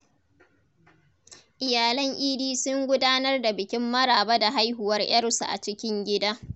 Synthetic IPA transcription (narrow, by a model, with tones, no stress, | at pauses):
ʔɪ˨jaː˨lɐ˦ŋʔiː˦diː˦sʊ˦ŋɡʷʊ˦daː˦nɐ˦rda˨bɪ˨kʲɪ˦mːɐ˦ɽaː˨bɐ˦da˨ɦa˦jɦʊ˨wɐ˦rj̰ɐ˦rsu˨ʔa̰˨t͡ʃɪ˦kʲɪ˦ŋɡʲɪ˦daː˦